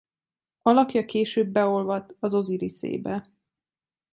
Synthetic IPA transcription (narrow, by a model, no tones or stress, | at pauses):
ɒlɒkjɒkeːʃøːbːɛo̞lvɒt̪ɒzo̞ziɾisḛːbɛ